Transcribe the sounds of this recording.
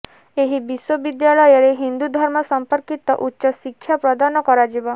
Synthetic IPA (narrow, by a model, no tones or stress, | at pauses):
eɦibiswobid̪jaɭɔjɔɾeɦind̪ud̪ʱɔɾmɔsɔmpɔɾkit̪ɔ̰ʔutːʃɔsikʰːjapɾɔd̪anɔkɔɾad͡ʒibɔ